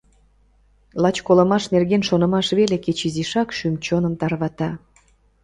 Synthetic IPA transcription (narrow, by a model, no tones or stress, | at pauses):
lɑt͡ɕkolə̆mɑʃnerɣenʃonə̆mɑʃβeleket͡ɕiziʃɑkʃymt͡ɕonəmt̪ɑrβɑt̪ɑ